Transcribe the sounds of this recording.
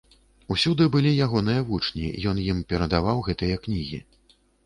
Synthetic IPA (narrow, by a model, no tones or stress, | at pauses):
usʲud̪ɨbɨlʲijaɣɔnɨjɐvut͡ʂnʲḭjɔnjimpʲɛɾɐd̪avawɣɛt̪ɨjɐknʲiɣʲḭ